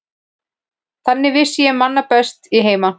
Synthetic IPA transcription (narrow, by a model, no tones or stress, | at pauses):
θanːɪvɪsjɛmanːapɛst̪iɦeːjma